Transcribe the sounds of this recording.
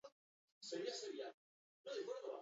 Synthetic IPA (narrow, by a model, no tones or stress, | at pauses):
seɾiaseβia | noðekweɾðola̰